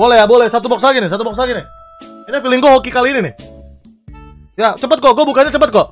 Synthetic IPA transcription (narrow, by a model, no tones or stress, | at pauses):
bolɛjabolɛsat̪̬ubɔks̬laɡinɪsat̪ubɔk̚s̬laɡinɪh | inafilɪŋɡuaɦokikaliːninɪh | jat͡ʃəmpət̪̚kɔɡuabukaɲat͡ʃəmpət̪̚kɡɔʔ